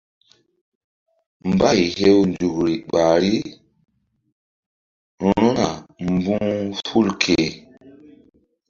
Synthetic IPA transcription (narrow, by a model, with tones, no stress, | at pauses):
m˨ba˦jɦe˦wnd͡ʒu˨kɾi˨ɓa˨ɾi˦ | ɾ̃o˦na˨mbũ˦ŋfu˦lkʰe˨